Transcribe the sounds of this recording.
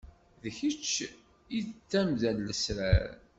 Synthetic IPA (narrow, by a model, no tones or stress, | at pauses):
ðəçət͡ʃː | it͡sːæmðælːəsɾæɾ